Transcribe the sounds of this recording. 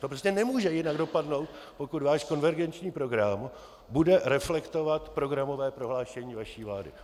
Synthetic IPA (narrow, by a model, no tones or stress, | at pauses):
t̪oprɛsɲɛnɛmuːʒɛjɪnaɡdo̞padno̞wt̪ | po̞kud̪vaːʃko̞nvɛɾɡɛnt͡ʃɲiːpɾo̞ɡɾam | budɛɾɛflɛkt̪o̞vat̪pɾo̞ɡɾamo̞vɛːpɾo̞ɦlaːʃɛɲiːvaʃiːvlaːdɪ̰